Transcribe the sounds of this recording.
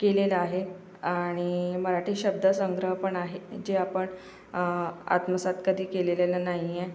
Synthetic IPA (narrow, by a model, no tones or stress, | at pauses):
kelelaɦe | aɽ̃iməɾaʈʰiːɕəb̚d̪ʱəsəŋɡɾəɦpəɳaɦed͡ʑeapəɳ | a̰t̪məsat̪kəd̪ʱiːkelelelanaɦije